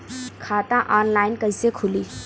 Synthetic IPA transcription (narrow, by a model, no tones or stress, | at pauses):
kʰaːt̪ãʔɔːnlaːɪnkɐɪsekʰʊliː